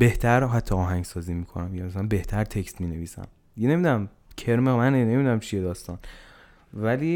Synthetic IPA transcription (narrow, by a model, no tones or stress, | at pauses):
be̞ht̪ʰæɾɦæt̪ʰːɒɒːɦæŋɟsɒːziːmiːkʰo̰næmjɒmslænbe̞ht̪ʰæɾt̪ʰekst̪miːne̞viːsæ̰m | jene̞mid̪unæm | cʰe̞ɾmemænene̞mid̪unæmt͡ʃʰijed̪ɒːst̪ɒn | væliː